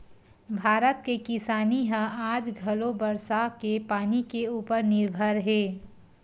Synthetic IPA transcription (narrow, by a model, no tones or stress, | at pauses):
bʱaːɾət̪̚kekɪsaːniɦə̃ʔaːd͡ʒɡʱəlobəɾsakepaːnikeuːpəɾnɪɾbʱəɾɦeː